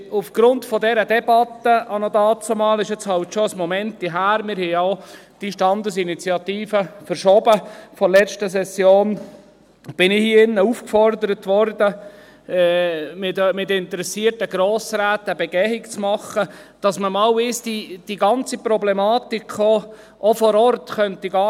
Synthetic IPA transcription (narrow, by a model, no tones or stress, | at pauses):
ufɡ̥ɾʊntfɔdɛɾədɛbɑt̪ːəʔɑnod̪ɑːt͡somɑːlɪʃɛt͡shɑwtʃoəsmɔmɛntdiɦæːɾmɪɾhɛɪaʊ | d̥iʃtɑnd̪əs̬init͡sjɑt̪iːfəfəɾʃɔbəfɔlɛt͡ʃtəs̬ɛsjoːn | b̥ɪnɪhiɪnːəufkfɔɾd̪əɾətʋɔɾdə | ɛːmɪtmɪtɪnt̪əɾɛsiːərtəɡɾoːsɾæːt̪əbɛɡɛhɪkt͡smɑχə | d̥ɑsməmɑːwɪsd̥id̥iɡɑnt͡sipɾɔblɛmɑːtikʰχo | ʔofɔɾɔrtχœntiɡɑː